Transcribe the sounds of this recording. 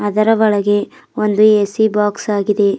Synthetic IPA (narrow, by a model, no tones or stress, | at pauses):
ɐd̪ɐɾɐʋɐɭɐɡe̞ | ond̪uesibaːksaːɡid̪e̞